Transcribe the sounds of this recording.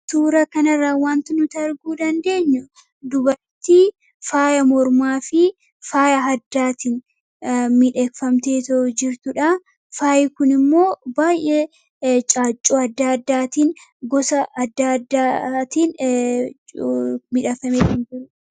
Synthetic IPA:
t̪uːɾɐkɐnɐrːɐwaːnt̪ɪnʊt̪ɐɾɡuːd̪ɐnd̪e̞ːɲːʊ | d̪ʊbɐɾt̪iː | faːjɐmɔɾmaːfɪ | faːjɐɦɐd̪ːaːt̪in | mɪᶑɛkfɐmt̪eːt̪ɔʔʊd͡ʒɪɾt̪ʊᶑɐ | faːjɛkʊnɪmːo̞ːbaːjʔɛ | t͡ʃʼaːt͡ʃʼːoːɐd̪ːaːɐd̪ːaːt̪iːn | ɡɔsɐʔɐd̪ːaːd̪ːaːt̪iːn | mɪᶑɐfɐmeːt̪ɪnd͡ʒɪɾʊ

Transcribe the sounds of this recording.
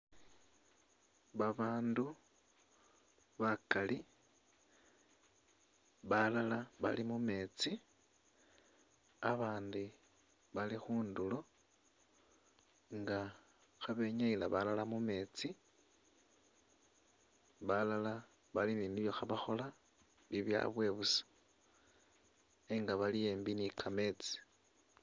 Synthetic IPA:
βaβaːndu | βakali | βalalaβa̰limume̞t͡si | aβaːndi | βalixuːndulo̞ | ŋɡa | xaβe̞ɲaila̰βalalamume̞ːt͡si | βalala | βaliniːniβjo̞xaβaxo̞la | βiβja̰βwe̞ːβusḁ | eŋɡaβalije̞ːmbinikʰame̞t͡si̥

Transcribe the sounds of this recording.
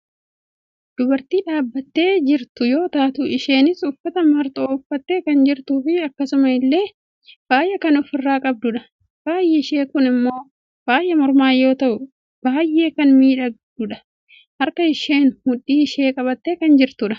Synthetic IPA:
d̪̥ʊbɐɾt̪iːᶑaːbːɐt̪ːe̞ːd͡ʒɪɾt̪ʊjo̞ːt̪aːt̪ʊɪʃeːnɪsʊfːɐt̪ɐmɐɾt̪ʼoːʊfːɐt̪ːe̞ːkɐnd͡ʒɪɾt̪uːfɪɐkːɐsʊmɐɪlːe̞ː | b̥aːjʔɛkɐnʊfɪrːaːkʼɐb̚d̪ʊᶑɐ | b̥aːjʔɛɪʃeːkʊnɪmːo̞ː | b̥aːjʔɛmɔɾmaːjːo̞ːt̪ɐʔʊ | b̥aːjʔe̞ːkɐnmiːᶑɐɡd̪ʊᶑɐ | hɐɾkɐɪʃe̞ːnhʊᶑːiːɪʃe̞ːkʼɐβɐt̪ːe̞ːkɐnd͡ʒɪɾt̪ʊᶑɐ̥

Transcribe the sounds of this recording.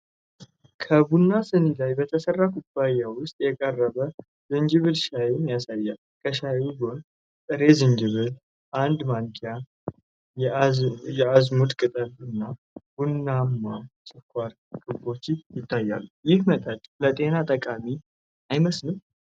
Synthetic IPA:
kʰəbunːasɨnilajbət̪ʰəsərːakʰʼut̪bajawʊst̪ʼjɛkʼərːəβə | zɨnd͡ʒɨβɨlʃajemjasajːalkʰəʃajubon | t̪ʼɨɾe̞zɨnd͡ʒɨβɨl | ʔand̪maŋkʰija | jɛazmud̪kʼɨt̪ʼəlɨnːa | b̥unːamːasʼɨkʰʷaɾ | kʼɨbo̞t͡ʃːɪjɪt̪ʰːajːa̰lːujɪhmət̪ʼət̪ʼlət̪ʼe̞nat̪ʼəkʼami | ajməsnɨm

